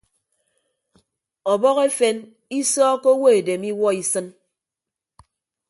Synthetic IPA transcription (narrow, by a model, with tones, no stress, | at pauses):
ɔ˨bɔ˦ɣe˦fe˦n | i˦sɔː˦ko˦wo˦e˨de˨mi˦wɔ˦i˦sɨ˦n